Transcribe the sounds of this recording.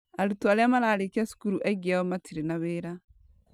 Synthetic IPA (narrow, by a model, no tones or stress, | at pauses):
aɾutwaleamalaːlekiasu̥kuɾuʔɛɡiaɔmatʰiɾenaβeːɾa